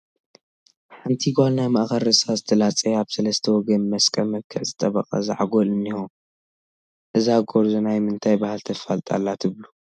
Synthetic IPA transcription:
ħant̪ʰiɡwalnajmaʔxɐɾɐsazɨt̪ʰɐlat͡sʼeaβsɐlɐst̪ʰɐwɔɡɐnmɐskʼɐlmɐβkʰːɨʕzɨt̪ʼɐβɐqʼa̰zaʕaɡolɨnːixu | ʔɨzaɡoɾzunajmɨnt̪ʰajbahalt̪ʰɐfalt̪ʼa̰lːat̪ʰɨβlu

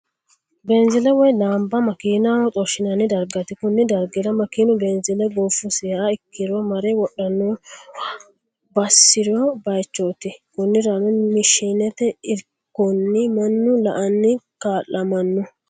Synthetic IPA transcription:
bɛnzɪlɛwɔjlaːmbɐmɐkiːnawɔt͡sʼɔʃɪnɐnːɪd̪ɐɾɡɐt̪ɪkʊnːɪd̪ɐɾɡɪɾɐmɐkiːnʊbɛnzɪlɛɡoːfʊseːʔaɪkːɪɾɔmɐɾɛwɔɗːɐnːo | bɐsːɪɾɔbɐjt͡ʃːoːt̪ɪkʊnːɪɾanʊnmɪʃiːnɛt̪ɛɪɾkːɔnːɪmɐnːʊlɐʔɐnːɪkaːlːɐmɐnːʊ

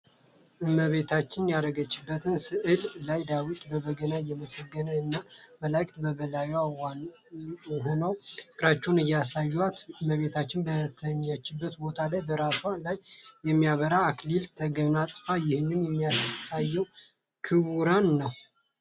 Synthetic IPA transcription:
ʔɨmːəβe̞t̪ʰat͡ʃːɪnjaɾəɡət͡ʃːɪbːət̪ʰɨnsɨʔɨllajd̪awit̪ʼbəβəɡənajɛməsəɡːənəɨnːaməlakʼt̪bəβəlajaa | ɦonəwkʼɾat͡ʃːɛwnɨjːasajːuat̪ɨmːəβe̞t̪ʰat͡ʃːɪnbət̪ʰəɲːət͡ʃːɪbːət̪bo̞t̪ʰalajbəɾasalajːɛmːijaβəɾaːklilt̪ʰəɡəβnasʼfajɪhɨnːɨnjɛmːijasajːɛw | kʰɨβuɾanːəw

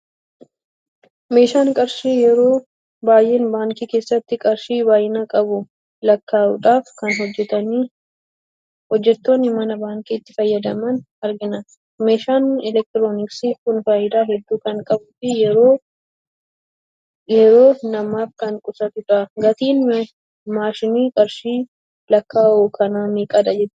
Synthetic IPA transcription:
me̞ːʃaːŋkʼɐɾʃiːjɛɾoː | baːjʔɛnbaːŋkiːke̞ːsːɐt̪ːɪkʼɐɾʃiːbaːjɪnaːkʼɐbʊ | lɐkːaːʊ̰ᶑaːfkɐnɦɔd͡ʒːɛt̪ɐniː | hɔd͡ʒːɛt̪ːoːnːɪmɐnɐbaːŋkiːɪt̪ːɪfɐjːɐd̪ɐmɐn | ɐɾɡɪnɐ | meːʃaːnɛlɛk̚t̪ɪɾoːnɪksikʊnfaːjɪd̪aːɦɛd̪ːuːkɐŋkʼɐbʊfɪjɛɾoː | jɛɾo̞ːnɐmaːfkɐŋkʼʊsɐt̪ɪtaːɡɐt̪iːn | maːʃɪniːkʼɐɾʃiː | lɐkːaːʔoːkʰɐnaːmeːkʼɐd̪ɐd͡ʒɛt̪ː

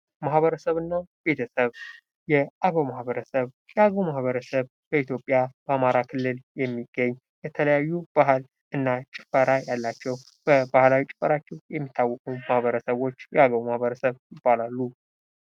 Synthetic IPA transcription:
mahβəɾəsəβɨnːab̥e̞t̪ʰəsəβ | jɛʔaɡəwmahβəɾəsəβ | jɛaɡəwmahβəɾəsəβ | b̥əit̪ʰjo̞pʼjabəamaɾakʰɨlːɨljɛmːiɡːəɲː | jɛt̪ʰələjajːub̥aɦɨl | ʔɨnːat͡ʃʼɪ̥fəɾajalːat͡ʃːɛw | b̥əbahlawit͡ʃʼɪ̥fəɾat͡ʃːɛwjɛmːit̪ʰːawːɔkʼumahβəɾəsəβo̞t͡ʃːjɛaɡəwmahβəɾəsəβjɪb̥ːalalːu

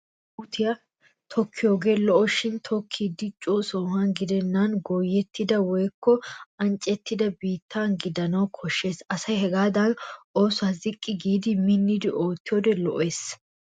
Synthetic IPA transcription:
ʔʊt̪ʰɪjɐ | t̪ʰɔkʰːɪjoːɡe̞ːlɔʔɔʃɪnt̪ʰɔkʰːid̪ːɪt͡ʃʼuːsoːhɐnɡɪd̪ɛnːɐnɡoːjːɛt̪ːɪd̪ɐwɔjkːɔɐnt͡ʃʼːɛt̪ːɪd̪ɐbiːt̪ʰːanɡɪd̪ɐnɐwkʰɔʃːe̞ːsɐsɐjɦɛɡaːd̪ɐnʔoːsʊazɪkʼːɪɡiːd̪ɪmɪnːɪd̪ɪʔo̞ːt̪ːɪjoːd̪ɛlɔʔe̞ːs

